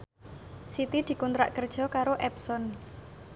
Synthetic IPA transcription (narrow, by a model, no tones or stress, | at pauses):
sit̪id̪̥i̤kunt̪ɾa̰ʔkərd̥ʒ̥ɔ̤kaɾoʔɛpsɔn